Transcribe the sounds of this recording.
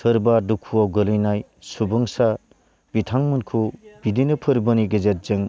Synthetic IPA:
sɯɾbadukʰːuawɡɯlɯjnaj | subɯŋsa | bitʰaŋmɯnkʰub̥idinɯpʰɯɾbɯniɡɐzet̚zeŋ

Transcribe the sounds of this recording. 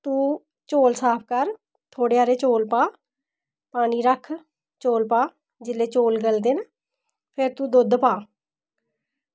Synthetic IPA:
t̪uː | t͡ʃoːlsaːpʰkəɾ | t̪ʰoːɽeːaːɾeːt͡ʃoːlpaː | paːniːɾəkʰ | t͡ʃoːlpaː | d͡ʒɪlːeːt͡ʃoːlɡəld̪eːnə | pʰɪɾt̪uːd̪ʊd̪paː

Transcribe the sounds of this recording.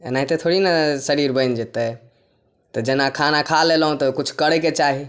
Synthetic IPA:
ḛnaɦit̪et̪ʰoɽinasəɾiɾbəjnd͡ʒet̪ɛ | t̪ɔd͡ʒenakʰanakʰalelɦũt̪ɔkut͡ʃʰkəɽɛket͡ʃaɦi

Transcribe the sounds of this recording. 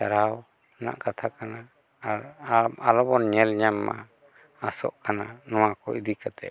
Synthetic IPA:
aɾaw | na̰ʔkat̪ʰakanaː | ɾaalɔbɔnɲɛlɲamːa̰ | asɔ̰ʔkananɔwakɔid̪ikat̪ɛ̰ʔ

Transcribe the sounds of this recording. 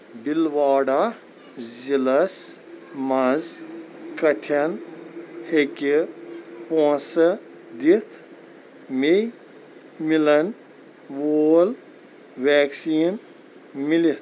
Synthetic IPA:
bilʋaːɖa | zilɐs | mɐ̃zkɐʈʰɐn | heki | põːsɐ | d̪it̪ʰ | mi | milɐn | ʋoːl | ʋeːksiːn | milit̪ʰ

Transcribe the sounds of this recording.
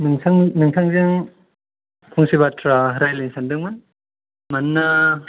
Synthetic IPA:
mɯŋsʰaŋmɯŋtʰaŋzɯŋ | kʰuŋsiβatɾaɾajleŋsʰandɯŋmɯn | manːa

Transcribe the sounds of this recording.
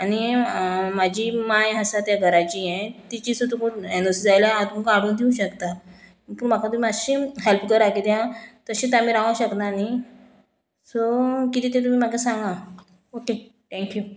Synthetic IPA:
añi | mad͡ʑʱimajɦəsat̪jaɡʱəɾat͡ɕiɛ̃t̪it͡ɕisət̪ukuenosid͡zajljaat̪uməkaɽ̤uːnd̪ʰʱeũɕəkt̪a | puːɾm̤akʰat̪um̤iaɕĩɦelpkəɾakid̪jãt̪əɕĩt̪amiɾãʋãɕəknani | sokit̪ĩːt̪̬ẽt̪um̤iːmaɡasãŋɡa | oket̪ʰɛ̃ŋkju

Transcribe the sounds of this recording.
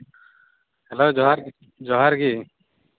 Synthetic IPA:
hɛloːɾ | d͡ʒɔɦaɾɡi

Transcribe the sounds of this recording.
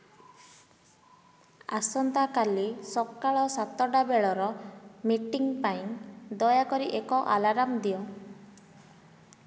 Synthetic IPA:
a̰sɔnt̪akalisɔkːaɭɔsat̪ɔɖabeɭɔɾɔmiʈiŋpaĩnd̪ɔjakɔɾiʔekɔʔa̰laɾamd̪iɔ

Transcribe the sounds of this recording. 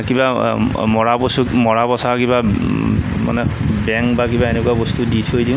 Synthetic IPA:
kibamɔɹabɔsumɔɹapɔsakiba | ma̰nɛbɛŋkbakibaenekuabost̪uditʰojdĩʊ̃

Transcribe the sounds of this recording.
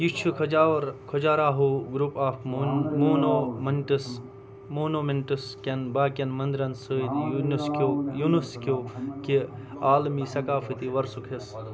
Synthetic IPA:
jit͡ʃʰukʰaɾkʰod͡ʒaːɾaːɦuɡɾupaːfmoːnomɐnʈs | moːnomeɳʈɨskʲɐnbaːkɐnmɐnd̪ɾɐnsɨd̪jnuskojunuskokiaːlmisɐkaːfɨt̪iʋɐɾsukʰes

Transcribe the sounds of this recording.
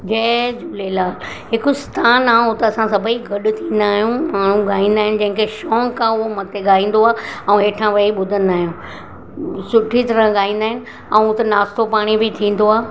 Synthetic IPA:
d͡ʑeːd͡ʑuːlelaːl | ɦɪkʊst̪ʰaːnaːʊt̪ɐɐsãsɐbʱəiɡɐɗʊt̪ʰĩːn̆d̪aːɦijũmaːɳ̤ũɠaːĩːnd̪aːɦɪ̃nɪ̆d͡ʑɐ̃ɦɪ̃ŋkeʃɔːŋkʰãʊɦomɐt̪ʰeɠaːĩːn̆d̪oaːɛ̃ũɦeːʈʰãʋɐiɓʊd̪ʱənɪ̆d̪aːɦijũ | sʊʈʰit̪ɐɾə̃ɠaːĩːn̆d̪aːɦɪnɪ̆ | ɛ̃ũʊt̪enaːst̪opaːɽ̃ibɪt̪ʰĩːn̆d̪oaː

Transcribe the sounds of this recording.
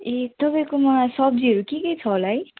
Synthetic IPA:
et̪ʌpãĩkomʌsʌb̚d͡ziʌɾukikʌjt͡sʰʌolaj

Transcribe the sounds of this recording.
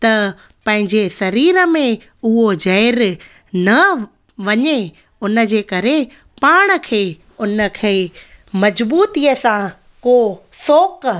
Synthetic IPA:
t̪ɐ | pɐ̃ɦɪ̃ɲd͡ʑesɐɾiːɾə̆mẽ | ʊɦod͡ʑɐɪɾ | nɐ | ʋɐɲe | ʊnə̆d͡ʑeːkɐɾe | paːɽ̃ə̆kʰeː | ʊnə̆kʰeːmɐd͡ʑbuːt̪iəsã | koːsoːk

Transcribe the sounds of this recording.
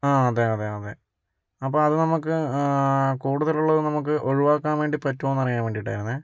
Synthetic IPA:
aːɐðeɐðeɐðe | ɐpːoːɐðɨnɐmukːɨ | kuːɽuðɐluɭːɐðɨnɐmuk̬ːɨʔo̞ɻiʋaːkːaːnʋeːɳɖipɐtːoːnːɐrijaːnʋeːɳɖiʈːaːjɾunːɨ

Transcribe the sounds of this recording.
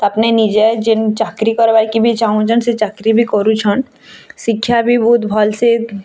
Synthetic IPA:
t̪oɐpnenid͡ʒed͡ʒɪnt͡ʃakɾikɔɾbaɾkibʱit͡ʃaɦũt͡ʃʰənset͡ʃakɾibʱikɔɾũt͡ʃʰən | sɪkʰːjabʱibɔt̪bʱɔlse

